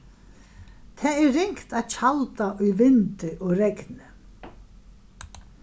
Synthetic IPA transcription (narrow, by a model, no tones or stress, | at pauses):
t̪ʰɛːɛːɪŋkt̪aðt͡ɕʰalt̪aʔʊjvɪnt̪ɪʔɔɣɾɛknɪ